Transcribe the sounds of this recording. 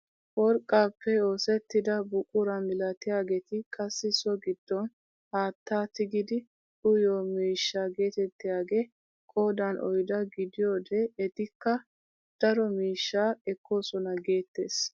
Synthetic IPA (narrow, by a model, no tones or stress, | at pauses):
wɔɾkʼːaːpːɛo̞ːsɛt̪ːɪd̪ɐbʊkʼːʊɾɐnɪlɐt̪ɪjaːɡet̪ɪkʼɐsːɪsɔɡɪd̪̥ːɔn | haːt̪ːaːt̪ɪɡɪd̪ɪ | ʔʊjoːmiːʃːaːɡe̞ːt̪ɛt̪ːɪjaːɡeː | kʼo̞ːd̪ɐnʔɔ̰jd̪ɐɡɪd̪ɪjo̞ːd̪ɛːt̪ɪkːɐ | d̪̥ɐɾɔmiːʃːaːɛkːo̞ːsɔnɐɡe̞ːt̪ːe̞ːs